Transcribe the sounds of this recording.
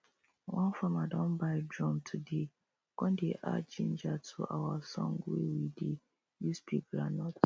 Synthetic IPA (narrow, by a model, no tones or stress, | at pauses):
wʔɔ̃nfamadɔ̃nbaɪdɾɔ̃mtʰʊde | kɔ̃ndeʔa̰d͡ʒĩn̩d͡ʒatʰʊʔawasɔ̰̃ŋɡʊewide | juspʰikɾanɔt